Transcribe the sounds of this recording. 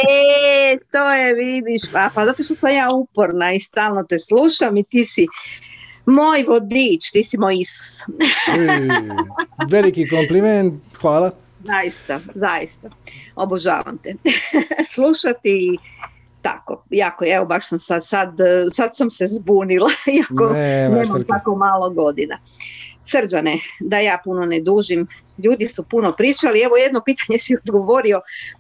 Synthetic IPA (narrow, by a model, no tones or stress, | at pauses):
et̪oːjeʋid̪iʃapazat̪o̞ʃt̪osamjaːupoɾnaist̪aːlˠnot̪esluːʃamit̪isi | mojʋod̪it͡ʃt̪isimojisu̥s | ʋelikikompliment̪xʋaːla | zajist̪azajist̪aoboʒa̰ːʋa̰mt̪e | sluʃat̪iː | t̪a̰ko̞̰jakoeʋobaʃsamsad̪sad̪sad̪samse̞zbuːnilˠaiakoneːmamt̪ako̞maːlo̞ɡo̞d̪ina̰ | sr̩d͡ʒaned̪ajaːpuno̞ned̪uːʒim | ʎuːd̪isupuno̞pɾiːt͡ʃalie̞ʋoje̞d̪no̞piːt̪aɲesiod̪ɡo̞ʋo̞ɾio̞